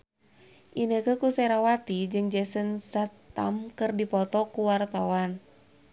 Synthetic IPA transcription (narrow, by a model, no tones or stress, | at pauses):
ʔinəkəkusɛɾawat̪id͡ʒɨŋd͡ʒɛsənsat̪ːa̰mkɨrdipɔt̪ɔkuwart̪awan